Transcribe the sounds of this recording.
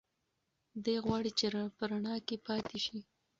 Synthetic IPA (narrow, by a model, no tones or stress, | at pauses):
d̪əjɣwɑɽit͡ʃeɾapəɾaɳɑkepɑt̪ʰeʃi